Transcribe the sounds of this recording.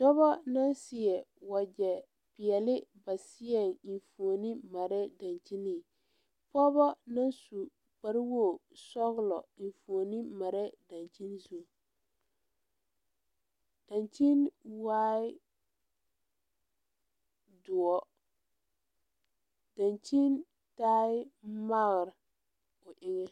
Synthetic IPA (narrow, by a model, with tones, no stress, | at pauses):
dɔ˦βɔ˦na˦nsɪ˨ɛ˨wa˨d͡ʒɛ˨ | pɪ˨ɛ˨lɪ˦ba˨sɪ˦ɛ˦˨ŋi˨nfu˨o˨ni˦ma˨ɾɛ˦da˨nt͡ʃi˦ni˨ | pɔ˦bɔ˦na˦nsu˨ | k͡pa˨ɾɪ˦wo˦˨sɔ˦ɣlɔ̰˨i˨nfu˨o˨ni˦ma˨ɾɛ˦da˨nt͡ʃi˦nzu˨ | d̥a˨nt͡ʃi˦nwaː˦ɪ˦ | dʊ˨ɔ˨ | d̥a˨nt͡ʃi˦n | taː˦ɪ˦ma˦ɣɾɪ˨ | ʊ˨ʔɪ˦ŋɛ˦